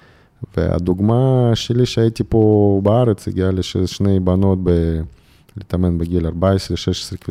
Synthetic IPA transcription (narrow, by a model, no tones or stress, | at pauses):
vḛa̰d̪uɡmaʃeliʃeait̪ipobaaɾet͡sḭɡialeʃeʃnejbano̞t̪̚be | lit̪amenbeɡilaɾbaesɾeʃeʃe̥sɾekvi